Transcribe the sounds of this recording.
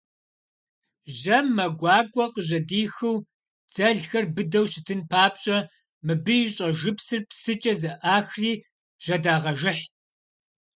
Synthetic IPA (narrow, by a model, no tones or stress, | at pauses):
ʒɐmːɐɡʷɑːɡʷʼɔqəʑɐdiːxɨw | d͡z̥ɐɮxɐrbɨdɐwʃɪtʰɨnpʰaːp̚ɕʼɐ | mɨbɨjɕʼɐʒɨpsɨrpsɨt͡ʃʼɐzɐʔaːxriː | ʒ̥ɐdaːʁɐʒɪħ